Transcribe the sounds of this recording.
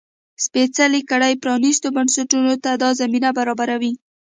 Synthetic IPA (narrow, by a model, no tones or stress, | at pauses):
spet͡salikaɽajpɾɑnist̪obansaʈunot̪ad̪ɑzaminabaɾɑbaɾawi